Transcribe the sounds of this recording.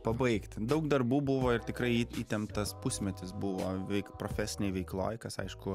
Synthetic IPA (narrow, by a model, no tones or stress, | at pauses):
pɐbɐɪkt̪d̪ɐʊkd̪ɐɾbuːbuʋoːɪrt̪ʲɪkɾɐɪiit̪ʲɛnt̪ɐspʊsʲmʲɛt̪ʲɪsbʊʋoːʋʲɛɪkpɾoːfʲæːsʲɪnʲɛɪʋʲɛɪklˠo̰ːjkɐsɐ̰ɪʃkʊ